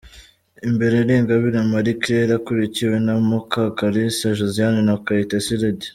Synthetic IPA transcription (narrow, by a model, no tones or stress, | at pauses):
imbe̞ɾeɾeːŋɡaβiɾamaɾikɾeɾakuɾiciwenamukakaɾisaʒozijaninakaitasiɾedi